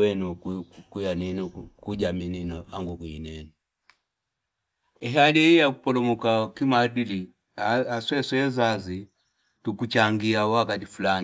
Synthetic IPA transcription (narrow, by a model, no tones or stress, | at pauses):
wɛnukkujaninukuɟamininɔaŋɡukuinɛnu | ɛɦalɛijaku̥pɔlɔmukakimadili | aaswɛswɛzazi | tukut͡ʃaŋɡiawakatifulani